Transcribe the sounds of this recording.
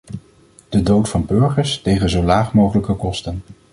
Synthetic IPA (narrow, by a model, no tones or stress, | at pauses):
d̥ədowtfɑnbɵɹχəɹstejχənzowlaːχmowχələkəkɔstən